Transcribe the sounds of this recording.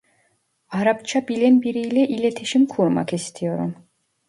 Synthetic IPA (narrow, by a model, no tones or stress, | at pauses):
aɾapt͡ʃʰabilʲinbiɾijlʲɛʔilʲe̞t̪ʰiʃimkʰuɾma̰kist̪ʰijo̞ɾṵm